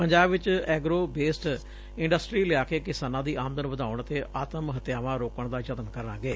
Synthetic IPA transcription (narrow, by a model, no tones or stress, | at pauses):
pəɲd͡ʒaːbʋɪt͡ʃɛːɡɾoːbeːsʈ | ɪ̃ɳɖəsʈɾiːlɪaːkeːkɪsaːnãːd̪iːʔaːmd̪ənʋəd̪aːʊɳət̪eːʔaːt̪əmɦət̪jaːʋãːɾoːkəɳd̪aːd͡ʒət̪ənkəɾnãːɡeː